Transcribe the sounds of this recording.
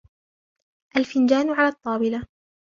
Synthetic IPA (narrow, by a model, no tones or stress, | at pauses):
ʔalfɪnd͡ʒaːnʕalaːt̪ˤːɑːbɪla